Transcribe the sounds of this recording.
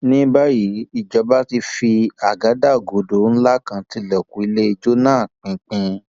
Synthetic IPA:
nĩ˦ba˦ji˨˦i˨d͡ʒɔ˨˦ba˦ti˧fi˧a˨ɡa˨˦da˦˨ɡo˨do˨˦n̩˦la˦kã˧ti˧lɛ˨ku˨i˨˦le˦i˧d͡ʒo˦nãː˦˨k͡pĩ˨˦k͡pĩ˧

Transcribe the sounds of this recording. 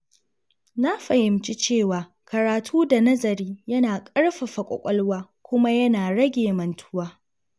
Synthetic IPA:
na˦ɸɐ˨hɪ˨mt͡ʃi˦t͡ʃeː˦˨waː˨ | kɐ˨ɾaː˨tʰuː˦da˨nɐ˦zɐ˨ɾiː˦jɐ˦naː˨kʼɐ˦ɽɸa˨ɸɐ˨kʷʼɔ̰˨kʷʼɔ˦lwaː˦ | kʷʊ˦ma˦jɐ˦naː˨ɽɐ˦ɡʲeː˨mɐ˨ntʰʊ̥˦waː˦

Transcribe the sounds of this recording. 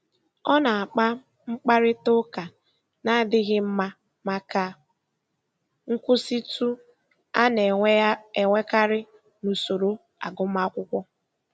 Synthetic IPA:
ɔ˦na˨a˨k͡pa˦ | ŋ͡m̩˦k͡pa˦ɾɪ˦tʊ˦ka˨ | na˦˨dɪ˦ɣɪ˦m̩˦ma˦ | ma˦ka˦ | ŋ̩˦kʷʊ˦si˦tu˦ | a˦n˨e˨ŋʷe˦ka˦ɾɪ˦ | nu˨so˨ɾo˦ | a̰˨ɡʊ˦ma˦kʷʊ˦kʷɔ˦

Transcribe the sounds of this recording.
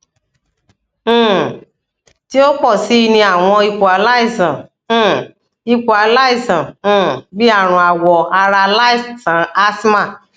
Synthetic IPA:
ti˦o˦k͡pɔ˦˨si˨˦i˧nĩ˧a˦˨w̃ɔ̃˧i˧ku˨a˨la˦i˦˨sã˨˦˨ | i˧ku˨a˨la˦i˦˨sã˨˦˨bi˦a˦˨ɾ̃ũ˨˧a˨wɔ˨a˧ɾa˧la˦i˦˨tã˨a˦sma˦˨

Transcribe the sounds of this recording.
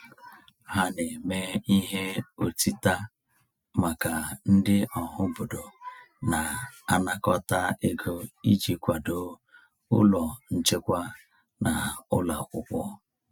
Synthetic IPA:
ha˨ne˨me˨i˦ɦe˦o˨ti˦ta˦ | ma˨ka˨n̩˦dɪ˦ʔɔ˨ɦʊ˦bo˨do˨ | na˨a˦na˦kɔ˦ta˦e˦ɡo˦i˦d͡ʒi˨kʷa˨do˨ | ʊ̰˦lɔ˨n̩˨t͡ʃɪ˦kʷa˦ | na˨ʊ̰˦la˨kʷʊ˦kʷɔ˦

